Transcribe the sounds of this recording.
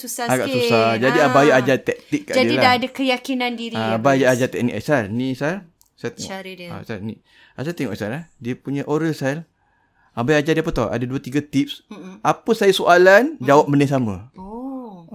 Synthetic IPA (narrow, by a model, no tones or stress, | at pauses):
susaaɡa̰ʔsusad͡ʒadiabajʔad͡ʒat̪ɛk̚t̪ikːaʔd͡ʒadiilaaadakəjakinãndiɾiabajad͡ʒat̪ɛk̚nikasarnĩsar | sajat̪ɛŋɔa̰sani | asajt̪ɛŋɔʔsalahdiəpuɲãʔoɾəlsal | ʔabajad͡ʒadiəpət̪ɔ̰ʔa̰daduat̪iɡat̪ip̚sʔapəsajasoʔaland͡ʒawap̚mənis̬amə